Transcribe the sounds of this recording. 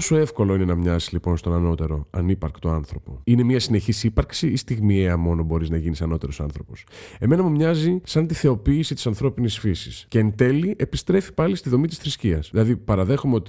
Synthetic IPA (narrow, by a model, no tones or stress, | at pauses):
osoe̞fko̞lo̞ine̞nɐmɲɐzizlipo̞nst̪o̞nɐno̞t̪e̞ɾo̞ɐnipɐɾkt̪oɐnθɾo̞po̞̰ine̞miɐsine̞çisipɐɾksiist̪iɣmieɐmo̞no̞bo̞ɾiznɐʝinisɐno̞t̪eɾo̞sɐ̰nθɾo̞po̞se̞me̞nɐmumɲɐzisɐnt̪iθe̞o̞piːsit̪isɐnθɾo̞pinisfisisce̞ːnt̪e̞liʔe̞pist̪ɾe̞fi̥pɐlist̪iðo̞mit̪i̥sθɾisciɐsðilɐðipɐɾɐðe̞xomeo̞t̪i